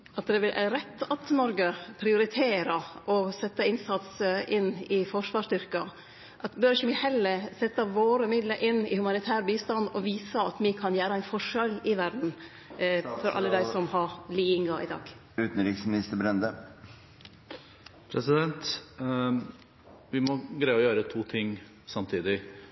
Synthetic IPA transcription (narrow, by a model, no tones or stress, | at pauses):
ɑt̪d̪ɛʋɪlʔæɾɛt̪ːɑt̪nɔɾɡəpʰɾɪʊɾɪt̪ʰeːɾəʔɔsɛt̪ːəɪnsɑt̪səʔɪnːɪfɔʂʋɑːʂt̪ʏɾkɑ | ʔɑt̪bœɾɪçəmɪhɛlːəɾsɛt̪ːəʋoːɾəmɪd̪ləɾʔɪnːɪ̰hʉmɑnɪt̪ʰæːɾbiːst̪ɑnd̪ɔʋiːsəɑt̪mɪkʰɑnjæːɾəæɪnfɔʂɛlɪʋæɾɖn̩ | fɔɾʔɑ̰lːəd̪æɪsɔmhɑɾliːɪŋɑʔɪ̰d̪ɑ̰ːɡ | ʉːt̪n̩ɾɪːksmɪnɪst̪əbɾɛnd̪ə | pʰɾɛsɪd̪ɛnt̪ | ʋɪmɔɡɾæɪɔjøːɾət̪ʰuːt̪ʰɪŋː | sɑmt̪ʰiːd̪ɪ